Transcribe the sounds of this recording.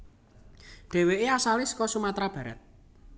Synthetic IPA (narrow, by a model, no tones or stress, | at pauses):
ɖ̥e̤weʔeasalɪskɔsumat̪ɾab̥ä̤ɾə̰t̪̚